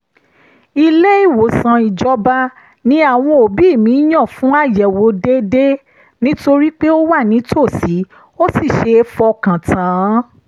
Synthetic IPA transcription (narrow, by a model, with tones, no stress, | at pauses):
i˧le˦i˦˨wo˨sã˧i˨d͡ʒɔ˦ba˦ | nĩ˧˦a˦˨w̃ɔ̃˧o˨bi˨˦i˦˨mĩ˨˦j̃ã˦˨fũ˨˦a˦˨jɛ˨wo˨˦de˦de˦ | nĩ˦to˧ɾi˦k͡pe˦o˦wa˦˨nĩ˨˦tʰo˦˨si˨˦ | o˦si˦˨ʃe˧fɔ˧kã˨tã˨˦